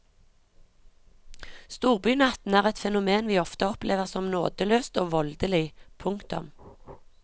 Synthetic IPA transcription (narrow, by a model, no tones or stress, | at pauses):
st̪uːʁbyːnɑt̪n̩æːʁɛt̪fɛnʊmeːnʋiːɔft̪əɔpleːʋəʁsɔmno̰ːd̪əløːst̪oːʋɔld̪əlɪpʰʊŋkt̪ʊ̰m